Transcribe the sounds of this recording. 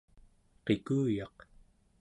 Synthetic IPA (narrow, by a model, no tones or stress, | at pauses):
qekuːjɑq